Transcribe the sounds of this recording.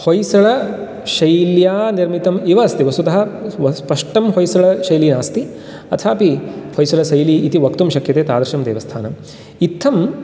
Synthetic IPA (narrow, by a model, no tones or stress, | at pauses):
hojsɐɭɐ | ʃɐjljaːniɾmit̪ɐmiʋɐːst̪iʋɐsut̪ɐɦɐʋspɐʂʈɐmɦojsɐɭɐʃɐjliːnaːst̪i | ɐt̪ʰaːpihojsɐɭɐsɐjliːt̪iʋɐkt̪umʃɐkjɐt̪eːt̪aːd̪ɾɐʃɐmd̪ḛːʋɐst̪ʰaːnɐm | it̪ʰːɐm